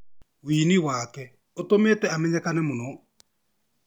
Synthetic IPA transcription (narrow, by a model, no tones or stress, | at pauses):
wiːniwakɛ | otometɛamɛɲɛkanɛmonɔ